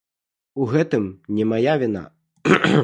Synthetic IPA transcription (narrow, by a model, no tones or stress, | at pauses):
uɣɛt̪ɨmnʲɛmajavʲina̰